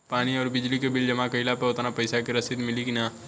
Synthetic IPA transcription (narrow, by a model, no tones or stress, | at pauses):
paːniɔːɾbɪd͡ʒlikebɪld͡ʒɐmakɐɪlapeʊt̪napɐɪsakeɾɐsɪd̪mɪliɡinaː